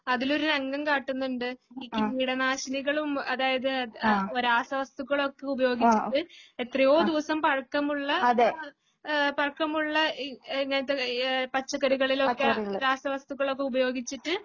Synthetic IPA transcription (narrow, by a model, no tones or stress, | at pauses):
ɐðilo̞ɾunɐŋɡɐmkaːʈːunːuɳɖɨikːmiɽɐnaːɕɐniɣɐɭumɐðaːjɐðɨoɾaːsɐʋɐst̪uɣːɐɭo̞kːe̞ubɐjo̞ːɡit͡ɕːiʈːɨet̪rɐjo̞ːd̪iʋɐsɐmpɐɻɐkːɐmuɭːɐɐðe | pɐɻkːɐmuɭːɐiŋːɐnɐt̪ːepɐt͡ɕːɐkːɐɾuɣɐɭilo̞kːeɐɾaːsɐʋɐst̪uɣɐɭo̞kːe̞ubɐjo̞ːɡit͡ɕːiʈːɨ